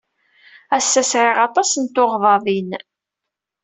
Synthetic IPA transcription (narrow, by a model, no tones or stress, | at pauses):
æsːæsʕɪʁɑt̪ˤɑsənt̪oʁðˤɑðˤin